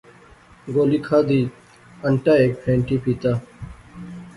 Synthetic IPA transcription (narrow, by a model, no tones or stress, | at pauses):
ɡoːliːkʰaːd̪iː | əɳʈaːeːk̚pʰẽːɳʈiːpʰiːt̪aː